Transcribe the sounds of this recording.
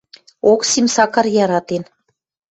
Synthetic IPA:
oksimsɑkɑrjɑɾɑt̪en

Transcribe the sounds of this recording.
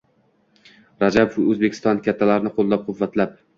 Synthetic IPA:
ɾad͡ʒabofɵzbekʲʰɪ̥st̪ɒnkʲat̪ʰːalaɾnɪqʰolˠːap̚qʰʊvːat̪lap̚

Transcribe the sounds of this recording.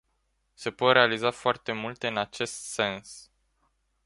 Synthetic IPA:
se̞pot̪ɾe̞alizafoart̪e̞mult̪e̞ɨnat͡ʃe̞st̪se̞ns

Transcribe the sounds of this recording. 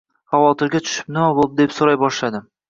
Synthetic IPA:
χɑvɒt̪ʰɪɾɡʲat̪ʰʊ̥ʃɪ̥p̚nɪmabolˠd̪ɪd̪e̞psoɾajbɒʃlad̪ɪ

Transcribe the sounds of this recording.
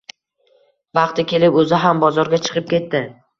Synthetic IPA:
vɑqt̪ɪkʲʰe̞lɪpɵzɪɦambɒzɒɾɡʲat͡ʃʰɨ̥qɨp̚kʲe̞t̪ːɪ

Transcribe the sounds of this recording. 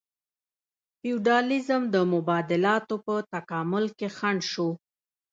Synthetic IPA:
fiuɖɑlɪzəmd̪əmʊbɑd̪ɪlɑt̪opət̪akɑmʊlkexaɳʃo

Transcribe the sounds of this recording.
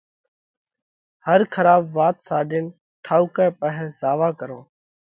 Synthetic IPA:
həɾkʰəɾaːbʋaːt̪saːɖɪn | ʈʰaːuːkɛ̃ːpəɦɛ̃zaːʋaːkəɾoː

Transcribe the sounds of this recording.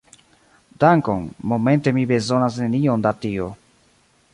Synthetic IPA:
daŋkonmo̞me̞nte̞mibe̞zo̞nasne̞niondatio

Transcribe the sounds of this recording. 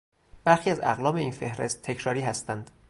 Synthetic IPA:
b̥æɾxiːæzæ̰ɣlɒːbe̞iːnfe̞hɾe̞st̪ʰːecʰɾɒːɾiːɦæst̪ænd̪̥

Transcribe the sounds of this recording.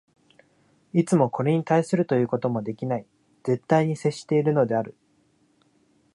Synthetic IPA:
it͡sɨmo̞ko̞ɾe̞ɲ̟it̪aisɨɾɯ̟t̪o̞jɯ̟ːko̞t̪o̞mo̞d̪e̞kʲinai | z̥e̞t̪ːaiɲ̟ise̞ɕːi̥t̪e̞iɾɯ̟no̞d̪e̞aɾɯ̟

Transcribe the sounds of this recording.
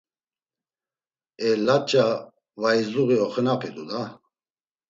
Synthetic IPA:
ɛlat͡ʃʼa | vaizuɣiɔχənapʰɛd̪ud̪a

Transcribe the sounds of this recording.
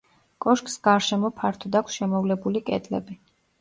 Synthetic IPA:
kʼɔʃkʼsɡ̥aɾʃɛmɔpʰaɾt̪ʰɔd̪akʷʰsʃɛmɔvlɛbulikʼɛ̰d̪ʼlɛ̰bi

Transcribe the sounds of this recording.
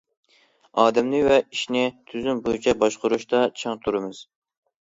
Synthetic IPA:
ɑːd̪ɛmnɪvɛiʃnɪt̪ʰyzymbojit͡ʃʰɛbɑʃqʊɾuʃt̪ɑt͡ʃʰɑŋt̪ʰuɾɨmɨz̥

